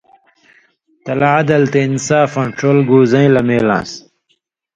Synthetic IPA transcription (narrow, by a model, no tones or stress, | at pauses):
t̪ɐlaad̪ɐlt̪einsaːfɐ̃ɳʈɾoːlɡuːzɐ̃ĩlɐmeːlã̰ːs